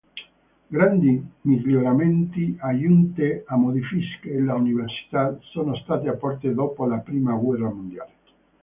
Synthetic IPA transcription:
ɡɾand̪imiʎjoɾament̪iajunt̪eamod̪ifiskelauniversi̥t̪asoːnost̪aːt̪eapːɔrt̪ed̪oːpolapɾiːmaɡwɛrːamond̪jaːle

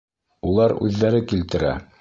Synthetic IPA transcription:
ulˠɑɾʉ̰ðːæɾɘkilt̪ɘ̆ɾæ̰

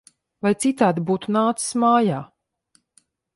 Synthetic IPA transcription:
vajt̪sit̪aːd̪ibuːt̪unaːt̪si̥smaːjaː

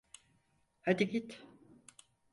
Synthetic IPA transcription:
had̪iɡʲit̪

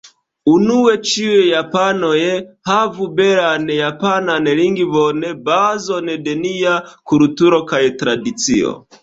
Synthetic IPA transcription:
unuwɛt͡ʃiwɛjapanɔjɛhavubɛɾanɛjapananɛɾiŋɡiβɔnɛbazɔnɛdɛnijakuɾutuɾɔkajɛtɾadit͡siɔ̰

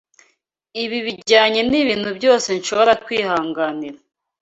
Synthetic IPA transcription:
iβiβiɟaːɲe̞niβiːnhubɟo̞ːse̞nʃo̞βo̞ɾakwiːhaːŋɡaniɾa

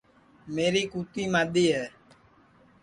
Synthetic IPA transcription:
meːɾiːkuːt̪iːmaːɗ̪iːɦɛː

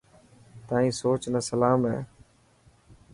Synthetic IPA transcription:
t̪aːĩːsoːt͡ʃnəsəlaːmɦɛ̰ː

